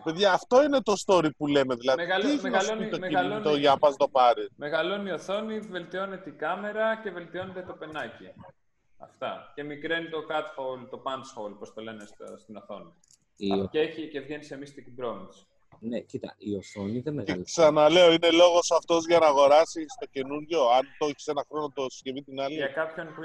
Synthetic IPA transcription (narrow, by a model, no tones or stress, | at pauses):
pe̞ðʝɐːft̪o̞ine̞t̪o̞st̪o̞ɾipule̞me̞ðilɐðeieçnsit̪oit̪oʝɐpɐzt̪o̞pɐɾime̞ɣɐlo̞nio̞θo̞nive̞lt̪io̞ne̞t̪eiɡɐme̞ɾɐce̞ve̞lt̪io̞ne̞t̪et̪o̞pe̞nɐci | ɐ̰ft̪ɐce̞mikɾenit̪o̞kɐt̪folt̪o̞pɐnsfowlpost̪o̞le̞nest̪st̪ino̞θo̞ni | ieçice̞vʝenise̞mist̪ikibɾo̞mis | necit̪ɐ̰io̞θoniðemeeksɐnɐle̞o̞ine̞lo̞ɣo̞sɐft̪o̞zʝɐnɐːɣo̞ɾɐsist̪o̞ce̞nuɾʝo̞ɐnt̪oçi̥se̞nɐxɾo̞not̪osscevit̪inɐliɐkɐpço̞npu